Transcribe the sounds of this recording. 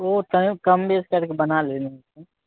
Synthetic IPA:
ot̪ɐkɐmbeːskɐɾkebɐnaleːnese

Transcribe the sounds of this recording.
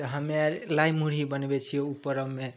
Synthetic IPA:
ɦʌmeɾlajmuɾibʌnbet͡sʰijoupːʌɾʌmme

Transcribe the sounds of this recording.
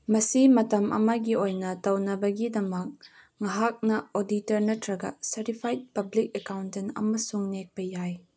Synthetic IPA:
mɐsimɐtɐmʔɐ̰mɐɡiojnɐtɐwnɐbɐɡidɐmɐk̚ | ŋɐɦak̚nɐoditɐɾnɐtʰɾɐɡɐ̰sɐɾipʰajt̚pɐblik̚ekawntɛnɐ̰mɐsuŋnek̚pɐjaj

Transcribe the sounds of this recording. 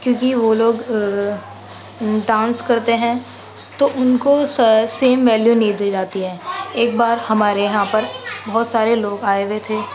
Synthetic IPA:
kjõːkiʋoloːɡ | ɖãːnskɐɾt̪eɦɛ̃ | t̪oʔʊnkosseːmʋɛːljuniːd̪id͡ʒaːt̪iɦɛ̃ːeːk̚baːɾhɐmaːɾejɐɦãpɐɾbɐɦʊt̪saːɾeloːɡaːeʋet̪ʰeː

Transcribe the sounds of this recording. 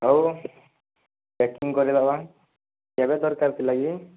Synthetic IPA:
ɦow | bɛkiŋkɔɾibaba | abɛd̪ɔɾkaɾt̪ʰilaɡi

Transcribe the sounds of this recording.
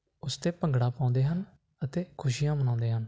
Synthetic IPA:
ʊst̪eːpəŋɡɽaːpãːnd̪eːɦən | ət̪eːkʰʊʃijãːmənãːnd̪eːɦən

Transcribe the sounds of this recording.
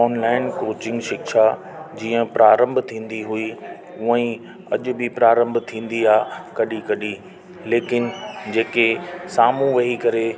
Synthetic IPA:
ɔːnlaːɪnkoːt͡ɕɪ̃ŋɡʃɪkʃa | d͡ʑiːə̃pɾaːɾə̃mbʱt̪ʰĩːn̆d̪iɦui | uə̃ | ɐ̰ʄʊ̆bɪpɾaːɾə̃mbʱt̪ʰĩːn̆d̪iaːkɐɗikɐɗi | leːkɪnd͡ʑeːkesaːmũʋɐɦikɐɾe

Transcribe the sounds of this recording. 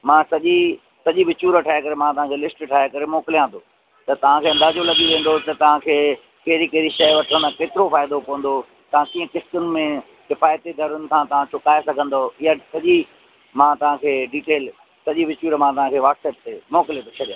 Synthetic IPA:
mãsɐʄi | sɐʄiʋɪt͡ɕuːɾʈʰaːekɐɾemãt̪ɐʋ̤ãkʰelɪsʈʈʰaːekɐɾemɔːkɪlijãt̪ʰoː | t̪ɐt̪ɐʋ̤ãkʰeːɐ̃nd̪aːd͡ʑolɐɠiʋẽːn̆d̪ot̪ɐt̪ɐʋ̤ãkʰeː | kɐɦɪɾikɐɦɪɾiʃɐʋɐʈʰə̃nd̪keːt̪ɪɾofaːɪd̪opɐʋə̃n̆d̪o | t̪ɐʋ̤ãkiːə̃kɪst̪ʊnɪ̆mẽ | kɪfaːjt̪id̪ʱɐɾʊnɪ̆kãt̪ɐʋ̤ãt͡ɕʰʊkaːesɐɡʱə̃nd̪oɪjasɐʄi | mãːt̪ɐʋ̤ãkʰeːɖiːʈeːl | sɐʄiʋɪt͡ɕuːɾmãt̪ɐʋ̤ãkʰeːʋaːʈseːp̚t̪ʰeːmɔːkɪlet̪ot͡ɕʰɐɗijã

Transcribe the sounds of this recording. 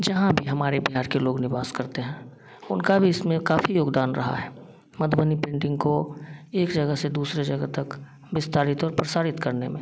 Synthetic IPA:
d͡ʒɐɦãbʱiɦɐmaːɾebiɦaːɾkeloːɡnɪbaːskəɾt̪eɦɛ̃ | ʊnkabʱiɪsmẽkaːfʰijoːɡd̪aːnɾɐɦa̰ɦɛː | mɐd̪bənipẽːɳʈɪ̃ŋɡkoeːkd͡ʒəɡəsed̪uːsɾed͡ʒəɡət̪ɐk | bɪst̪aːɾɪt̪ɔːɾpɾəsaːɾɪt̪kəɾnemḛ̃ː

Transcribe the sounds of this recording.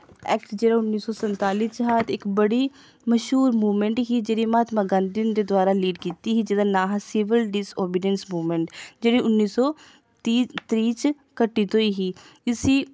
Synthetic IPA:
ɛːkʈd͡ʒeːɽaːʊnːiːsɔːsənt̪aːliːt͡ʃɦaːt̪ɪkbəɽiː | məʃɦuːɾmuːmɛɳʈɦiːd͡ʒeːɽiːmaːt̪maːɡənd̪ɪnd̪eːd̪ʊaːɾaːliːɖkiːt̪iɦiːd͡ʒed̪aːnaːɦasɪʋɪlɖɪsoːbɪɖɛnsmuːməɳʈd͡ʒeːɽiːʊnːiːsɔː | t̪iːt̪ɾiːt͡ʃ | kəʈːiːt̪õːiːɦiː | ɪsiː

